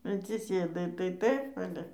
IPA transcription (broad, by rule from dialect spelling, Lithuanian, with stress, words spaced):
ɐtʲsʲɪˈsʲeːdɐɪ tɐɪ ˈtɐɪp ˈɑːlʲɛ